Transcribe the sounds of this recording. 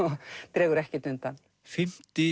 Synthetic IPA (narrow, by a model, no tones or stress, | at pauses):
ɔɣt̪ɾɛːɣʏɾɛhcɪt̪ʏnt̪an | fɪm̥t̪ɪ